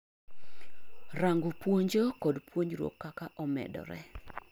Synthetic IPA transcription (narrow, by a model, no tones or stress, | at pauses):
raŋɡʊpwoɲd͡ʒokɔdpwoɲɾwo̰kːakaʔɔmɛ̰dɔ̰ɾɛ̰